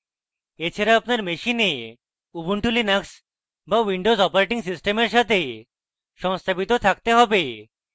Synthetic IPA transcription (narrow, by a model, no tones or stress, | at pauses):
et͡ʃʰeɾaapnaɾmeʃine | ubuɳʈulinaks | bawiɳɖozɔpoɾeʈiŋsisʈemeɾʃat̪ʰe | ʃɔŋst̪ʰabit̪ot̪ʰakt̪eɦɔbe